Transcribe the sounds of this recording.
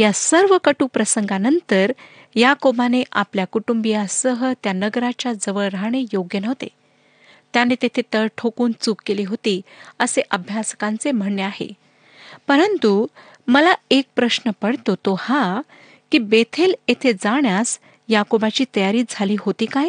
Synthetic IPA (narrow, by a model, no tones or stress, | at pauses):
jasəɾʋəkəʈuːpɾəsəŋɡanənt̪əɾ | jakobaneʔapljakuʈumbijasəɦət̪janəɡɾat͡ɕjad͡zəʋəɭɾaɳ̃ejoɡjənəɦt̪ḛ | t̪janet̪et̪ʰet̪əɭʈʰokuːnt͡suːkkːeliːɦot̪iːəseʔəbʱjaskãnt͡sem̤əɳːeaɦḛ | pəɾənt̪u | məlaek̚pɾəɕnəpəɽt̪ot̪oha | kiːbet̪ʰelet̪ʰed͡zaɳjas | jakobat͡ɕiːt̪əjaɾiːd͡zʱaliːɦot̪iːkaj